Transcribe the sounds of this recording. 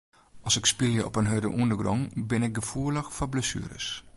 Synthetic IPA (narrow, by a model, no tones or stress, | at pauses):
ʔɑsɪkspilˠjəʔɔ̰pənɦødəʔundəɡrɔŋbɪnɪk̚ɡəfuələxfɔbləsy̰ːɾə̰s